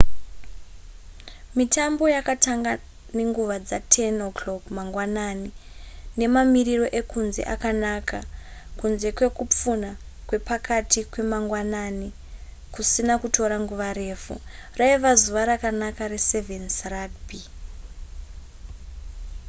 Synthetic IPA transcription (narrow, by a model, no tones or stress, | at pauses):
mitambo̞jakataŋɡa | ne̞ŋɡuʋad͡zatʰenokloɡmaŋɡwananine̞mamiriro̞ʔe̞kunze̞̰ʔakanakʰakunze̞kwe̞kup͡funakwe̞pakʰatikwe̞maŋɡwanani | kusinakuto̞ɾaŋɡuʋaɾe̞ːfṵraiʋazuʋaɾakanakarese̞vensaradbi